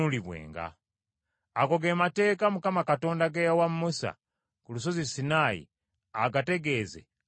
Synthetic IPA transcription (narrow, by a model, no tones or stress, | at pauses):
uliβwḛːŋɡa̰ | ako̞ɡe̞mate̞ːkamukamakato̞ːndaɡejawammusa̰ | kulus̬o̞zisinaːjḭ | aɡate̞ɡe̞ːzḛ